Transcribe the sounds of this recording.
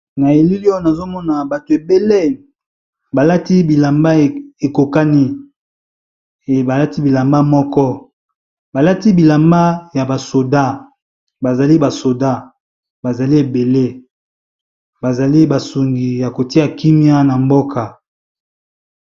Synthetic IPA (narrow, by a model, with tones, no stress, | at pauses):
na˨e˨li˦li˦ɔ˦na˨zo˦mɔ˦na˨ba˨to˨e˨be˦le˦ | ba˨la˦ti˦bi˨la˨mba˦˨e˨ko˨ka˦ni˦ | e˨ba˨la˦ti˦bi˨la˨mba˦mɔ˦kɔ˦ | ba˨la˦ti˦bi˨la˨mba˦ja˨ba˨so˨da˦ | ba˨za˨li˦ba˨so˨da˦ | ba˨za˨li˦e˨be˨le˦ | ba˨za˨li˦ba˨su˨ŋɡi˨ja˨ko˨ti˦a˨ki˦mi˦a˦na˨mbo˦kʰa˨